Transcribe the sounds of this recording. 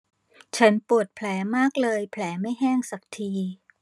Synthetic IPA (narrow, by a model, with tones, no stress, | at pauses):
t͡ɕʰa˦˥npu˨˩ət̪̚pʰlɛː˩˦maː˥˩k̚lɤː˧jpʰlɛː˩˦ma˥˩jɦɛː˥˩ŋsa˨˩k̚t̪ʰiː˧